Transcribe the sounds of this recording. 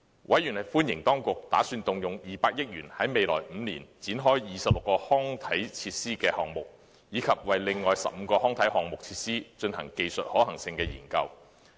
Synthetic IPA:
wʔɐ˨˥jyː˨˩nhɐ˨jfuː˥njɪ˨˩ŋt̪ɔː˥ŋkʊ˨k̚t̪a̰ː˨˥syː˧nt̪ʊ˨ŋjʊ˨ŋjiː˨˩paː˧k̚jɪ˥k̚jyː˨˩nhɐ˨˥jme˨jlɔ̰ː˨˩jm̩˨˧niː˨˩nt͡siː˨˥nɦɔː˥jjiː˨˩sɐ˨p̚lʊ˨kːɔː˧hɔː˥ŋt̪ʰɐ˨˥jt͡sʰiː˧t̚siː˥kɛː˧hɔː˨˩ŋmʊ˨k̚ | jiː˨˧kʰɐ˨p̚wɐ˨jlɪ˨ŋːɔː˨jsɐ̰˨p̚m̩˧kɔː˧hɔː˥ŋt̪ʰɐ˨˥jɦɔː˨ŋmʊ˨k̚t͡sʰiː˧t̚siː˥t͡ʃɵ˧nhɐ˨˩ŋke˨jsɵ˨t̚hɔː˨˥hɐ˨˩ŋsɪ˧ŋkɛː˧jḭː˨˩nkɐ˧w

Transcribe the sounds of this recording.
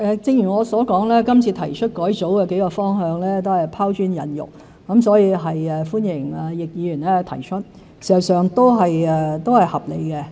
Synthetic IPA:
ʔɛː˨˧t͡sɪ˧ŋjyː˨˩ŋɔː˨˧sɔː˨˥kɔː˨˥ŋlɛː˥kɐ˥mt͡sʰiː˧t̪ʰɐ˨˩jt͡ʃʰɵ˥t̚kɔː˨˥jt͡so˨˥wkɛː˧ke˨˥jkɔː˧fɔː˥ŋɦœː˨˧ŋlɛː˥t̪o˥whɐ˨jpʰaː˥wt͡ʃyː˥njɐ˨˧njʊ̰˨˩k̚ | kɐ˨˥msɔː˨˥jiː˧ɦɐ˨jɛː˨˧fuː˥njɪ˨˩ŋɐː˨jɪ˨k̚jiː˨˧jyː˨˩nlɛː˥t̪ʰɐ˨˩jt͡ʃʰɵ˥t̚ | siː˨˩sɐ˨˩wsœː˨ŋt̪o˥wɦɐ˨jɛ˨˧t̪o˥whɐ˨jhɐ˨p̚le˨˧jkɛ˧

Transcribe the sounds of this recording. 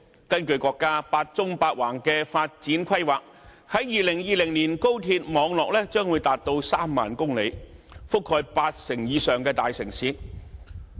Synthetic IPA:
kɐ˥nkɵ˧ɥkɔː˧kːaː˥paː˧t̚t͡sʊ˥ŋpaː˧t̚waː˨˩ŋkɛː˧faː˧t̚t͡siː˨˥nkʷʰɐ˥jwaː˨k̚ | hɐ˨˥jjiː˨˧lɪ˨˩ŋjiː˨˧lɪ˨˩ŋniː˨˩nko˥wt̪ʰiː˧t̚mɔː˨˧˥ŋlɔː˨k̚lɛː˥t͡ʃœː˥ŋwuː˨˧jt̪aː˨t̚t̪o˧wsaː˥mːa̰ː˨nkʊ˥ŋle˨˧jfʊ˥kʰːɔː˧jpaː˧t̚sɪ˨˩ŋjiː˨˧sœː˨ŋkɛː˧t̪aː˨jsɪ˨˩ŋsiː˨˥

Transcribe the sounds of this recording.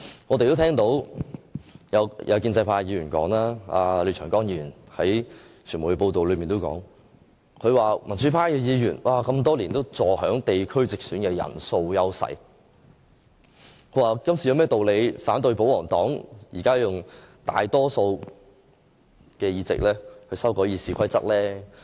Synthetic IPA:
ŋɔ˨˧t̪e˨jt̪o˥wt̪ʰɛː˥ŋt̪o˨˥w | jɐ˨˧wjʔɐ̰˨˧wkiː˧nt͡sɐ˧jpʰaː˧jiː˨˧jyː˨˩nkɔ̰ː˨˥ŋlaː˥a̰ː˧le˨˧˩t͡ʃʰœː˨˩ŋkɔː˥ŋjiː˧i˨˧y˨˩n | hɐ˨˥j | t͡ʃʰyː˨˩nmu˨˩jkɛ˧po˧wt̪o˨wlɵ˨˧miː˨nt̪o˥wkɔ̰ː˨˥ŋ | kʰɵ˨˧ɥwaː˨˩mɐ˨˩nt͡syː˨˥pʰaː˥kɛː˧jiː˨˧jyː˨˩nwʔaː˨˩kɐ˧mt̪ɔː˥liː˨˩nt̪o˥wt͡sɔː˨hœː˨˥ŋt̪e˨jkʰɵ˥ɥt͡sɪ˨k̚syː˨˥nkɛ˧jɐ̰˨˩nso˧wjɐ˥wsɐ̰˨˩j | kʰɵ˨˧˥waː˨˩kɐ˥msi˨jɐ˧mɛː˥˩t̪o˨wle˨˧jfaː˨˥nt̪ɵ˧ɥpo˨˧˥wlɔː˨˩ŋt̪ɔː˨˥ŋjiː˨˩kaː˥jʊ˨ŋt̪a̰ː˨jt̪ɔː˥so˧w | kɛː˧jiː˧t͡sɪ̰˨k̚lɛː˥hɵ˧ɥsɐ˥wkɔː˨˥jiː˧siː˧kʰɐ˥jt͡sɐ̰˥t̚lɛː˥

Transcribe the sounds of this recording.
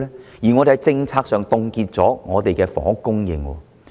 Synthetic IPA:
lɛː˥jiː˨˩ŋɔ˨˧e˨hjt͡sɪ˧ŋt͡sʰaː˧k̚sœː˨ŋt̪ʊ˨˧ŋkiː˧t̚t͡sɔː˨˥ŋɔː˨˧t̪e˨jkɛː˧fɔ̰ː˨˥kʊ˥ŋjɪ̰˨˩ŋwɔ̰ː˧

